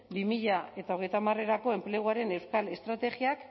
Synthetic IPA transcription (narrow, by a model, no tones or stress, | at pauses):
bimiʎae̞t̪ao̞ɣ̞e̞jt̪amare̞ɾako̞e̞mple̞ɣuaɾe̞ne̞wskale̞st̪ɾat̪e̞ɣiak